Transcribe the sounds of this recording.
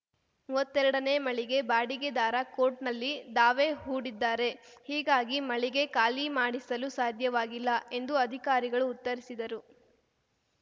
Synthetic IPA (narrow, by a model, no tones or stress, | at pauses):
mɐt̪ːɛɾɐɽɐne̞ːmɐɭiɡe̞baːɽiɡed̪aːɾɐkoːɾʈnɐlːid̪aːʋe̞ːɦuːɽid̪ːaːɾe̞hiːɡaːɡimɐɭiɡe̞kaːlimaːɽisɐlusaːd̪ʱjɐʋaːɡilːɐʔe̞nd̪uɐd̪ʱikaːɾiɡɐɭuːt̪ːɐɾisid̪ɐɾu